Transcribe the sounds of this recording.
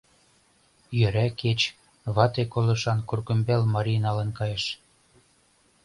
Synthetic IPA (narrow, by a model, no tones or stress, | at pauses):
jø̆ɾæket͡ɕ | βɑt̪ekolɤ̆ʃɑnkurkumbelmɑɾʲinɑlə̆nkɑjeʃ